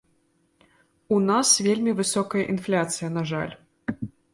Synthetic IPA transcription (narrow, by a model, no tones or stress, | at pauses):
unasvʲelʲmʲivɨsɔkɐjɐʔinflʲat̪sɨjɐnaʐa̰lʲ